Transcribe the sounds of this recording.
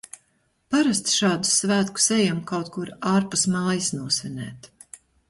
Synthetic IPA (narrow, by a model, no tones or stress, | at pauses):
paɾast̪ʃɑːd̪u̥svæːt̪ku̥sɛjamkawt̪̚kuɾaːɾpusmɑːjisnuɔsvʲɛnʲɛ̰ːt̪